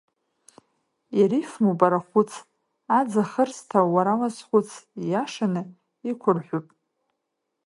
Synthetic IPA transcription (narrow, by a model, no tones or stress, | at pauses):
jaɾifmupʼaɾaχʷʊt͡sʰ | ad͡zaχərstʰawaɾalazχʷʊt͡sʰjaʂanɨ | ikʷʰʊrħʷʊpʼ